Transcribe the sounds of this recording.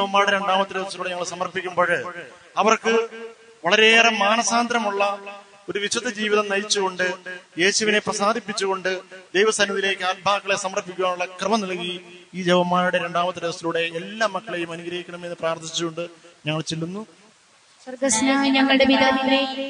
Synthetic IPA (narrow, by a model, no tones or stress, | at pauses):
d͡ʑeʋɐmːaːɾuɽeɾe̞ɳɖaːmɐt̪ːɨɾeʋɐsiluːɽeɲɐŋːɐɭsɐmɐrpikʲːumbo̞ːɻɨ | ɐʋɐrkɨ | ʋɐɭɐɾeːremaːnɐsaːnd̪ɾɐmuɭːɐ | o̞ɾuʋiɕɐðɐd͡ʑiːʋiðɐmnɐjit͡ɕːuɣo̞ɳɖɨje̞ːɕuʋine̞prɐsaːd̪ʱipːit͡ɕːuɣo̞ɳɖɨd̪ejʋɐsɐnːɐðile̞ːkʲːɨal̚bʱaːkːɐɭe̞sɐmɐrpːikʲːuɣaːnuɭːɐkrɨmɐnɐɭkːiiːd͡ʑeʋɐmːaːɾuɽe̞ɾe̞ɳɖaːmɐt̪ːɨɾeʋɐsiluːɽe̞ːlːaːmːɐkːɐɭejumɐnuɡɾɐɦikʲːɐɳɐme̞nːɨpraːrt̪ʰit͡ɕːuɣo̞ɳɖɨɲɐŋːɐɭt͡ɕelːunːu | ɐɡɐsnɐɲɐŋːɐeʋid̪aile